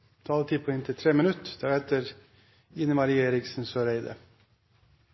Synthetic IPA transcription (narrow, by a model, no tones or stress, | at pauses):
t̪ʰɑːlət̪ʰiːpʰoɪnt̪ʰət̪ʰɾeːmɪnʉt̪d̪̥æɾɛt̪əɾ | ɪnəmɑɾiːeːɾɪksn̩søːɾeɪd̪ə̰